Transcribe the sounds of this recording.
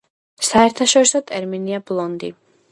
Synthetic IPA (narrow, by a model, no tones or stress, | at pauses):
saɛɾt̪ʰaʃɔɾisɔt̪ʼɛɾminiablˠɔnd̪i